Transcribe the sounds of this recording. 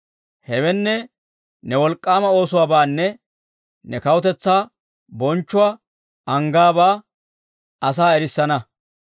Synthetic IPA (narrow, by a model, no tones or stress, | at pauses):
hɛwɛnːɛ | nɛwɔlkʼːaːmɐo̞ːsʊwaːbaːnːɛ | nɛkɐwʊt̪ɛt͡sːaː | bɔnt͡ʃːʊwa | ɐŋɡaːbaː | ɐs̬aːɛɾɪsːɐnɐ